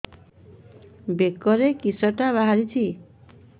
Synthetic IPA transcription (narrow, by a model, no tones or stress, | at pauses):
bekɔɾekisɔʈaβaɦaɾit͡ʃʰi